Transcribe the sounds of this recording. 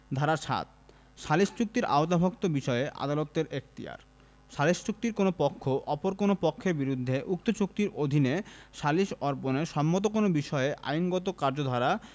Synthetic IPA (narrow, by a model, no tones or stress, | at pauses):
d̪ʱaɾaɾʃa̰t̪̚ | ʃaliʃt͡ɕuk̚t̪iɾʔa̰ot̪abʱokt̪obiʃɔeʔa̰d̪alot̪eɾʔek̚t̪ḭa̰ɾ | ʃaliʃt͡ɕuk̚t̪iɾkonopɔkʰːoʔɔpoɾkonopɔkʰːebiɾud̪ʱːeʔuk̚t̪ot͡ɕuk̚t̪iɾod̪ʱineʃaliʃɔɾponeʃɔmːot̪ok̬onobiʃɔeʔa̰jnɡɔt̪̬okaɾd͡ʑod̪ʱaɾa